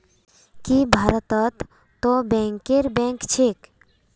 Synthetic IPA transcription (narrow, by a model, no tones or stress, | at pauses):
kibʱaɾət̪ət̪ː | obɛ̃ŋkeɾbẽŋkt͡ʃʰek